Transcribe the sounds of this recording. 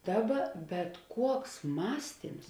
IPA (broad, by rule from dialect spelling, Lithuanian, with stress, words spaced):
ˈdɑːˌbɐ bʲɛt ˈkuɔks ˈmɑːsʲtʲiːms